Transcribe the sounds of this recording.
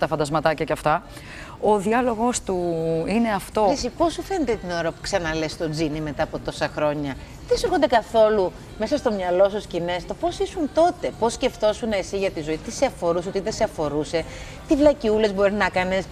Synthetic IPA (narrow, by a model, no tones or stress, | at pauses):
t̪ɐfɐnd̪ɐzmɐt̪ɐcɐceɐft̪ɐ | oðiɐlo̞ɣo̞st̪uine̞ɐft̪o̞isipo̞sufe̞net̪et̪ino̞ɾɐpu̥ksɐnɐle̞st̪o̞d͡zinime̞t̪ɐːpo̞t̪o̞sɐxɾo̞ɲɐ | ðesexond̪e̞kɐθo̞lu | me̞sɐst̪o̞mɲɐlo̞sɐscine̞st̪o̞po̞sisunt̪o̞t̪e̞po̞sce̞ft̪o̞suneːsiʝɐt̪izo̞it̪iseɐfo̞ɾusot̪iðeseɐfo̞ɾuse̞ | t̪ivlɐciule̞zbo̞ɾinɐkɐnes